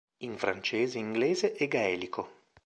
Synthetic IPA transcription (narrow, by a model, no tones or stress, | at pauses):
iɱfɾant͡ʃeːzeiŋɡleːzeʔːɡaɛːlikʰo